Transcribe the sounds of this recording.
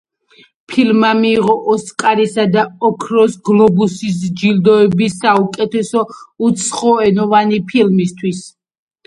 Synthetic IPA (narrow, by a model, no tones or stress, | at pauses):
pʰilmamiːʁɔʔɔskʼaɾisad̪aɔkʰɾɔsɡlˠɔbusisd͡ʒild̪ɔɛbisaukʼɛt̪ʰɛsɔut̪sʰχɔɛnɔvanipʰilmist̪ʰwis